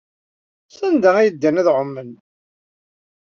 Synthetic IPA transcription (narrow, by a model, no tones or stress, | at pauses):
sænd̪ææjəd̪ːænæðʕʊmːən